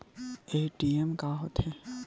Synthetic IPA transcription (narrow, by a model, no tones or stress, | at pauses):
eːʈiɛmkaɦot̪ɦɛ